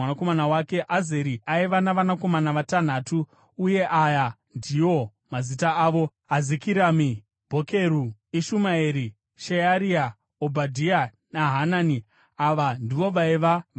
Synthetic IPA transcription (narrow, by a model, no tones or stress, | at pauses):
nako̞manawake̞ʔazeɾiʔaiʋanaʋanako̞manaʋatan̤aːtuː | je̞ʔaja | ndio̞ | mazitaaːʋo̞ | azikiɾaːmi | bʱokeɾuiʃumaeɾi | ʃejaɾia | obʱadʱia | naɦanani | aʋandiʋo̞ʋaiʋa